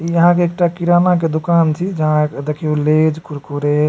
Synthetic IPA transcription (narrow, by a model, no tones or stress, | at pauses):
iəɦãkeːk̚ʈakiɾanak̬ed̪ukant͡ʃʰid͡ʒəɦãd̪ekʰioled͡ʒkuɾkuɾe